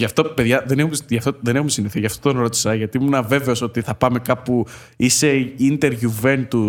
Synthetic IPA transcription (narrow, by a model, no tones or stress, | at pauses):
ʝɐft̪o̞pe̞ðʝɐðenexumʝɐft̪oðe̞nexumsiniθiʝɐft̪ot̪o̞nɾo̞t̪i̥sɐʝɐt̪iimunɐve̞ve̞o̞so̞t̪iθɐpɐme̞kɐpu | ise̞int̪e̞ɾʝuve̞nt̪u